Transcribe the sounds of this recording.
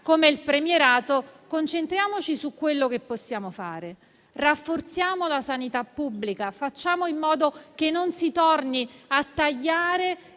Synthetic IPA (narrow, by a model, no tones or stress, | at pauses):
komeilpɾemjeɾaːt̪okont͡ʃent̪ɾjaːmot͡ʃisukːwelːokepːosːjaːmofa̰ːɾe | rafːort̪sjaːmolasanit̪apːubːlikafat͡ʃːaːmoimːɔːd̪okenːonsit̪ɔrniat̪ːaʎːaːɾe